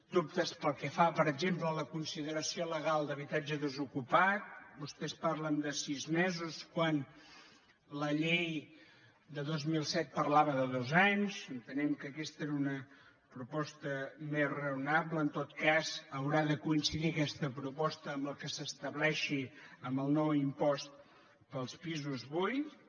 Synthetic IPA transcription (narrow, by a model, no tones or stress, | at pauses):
d̪up̚t̪əspəlˠkɛfapəɾəɡzemplələkunsiðəɾəsioləɣ̞alˠd̪əβit̪ad͡ʒəðəzukupat̪̚bust̪ɛspaɾlənd̪əsizmɛzuskwan | ləʎej | d̪əðozmilˠsɛt̪̚pərlaβəðəðozaɲzənt̪ənɛmkəkɛst̪əeɾunə | pɾupɔst̪əmezrəunaβləːnt̪ot̪kazəwɾaðəkuinsiðiəkɛst̪əpɾupɔst̪əːmblˠkəsəst̪əβlɛʃiəmbəlˠnɔwimpɔst̪̚ | pəlˠspizuzβuj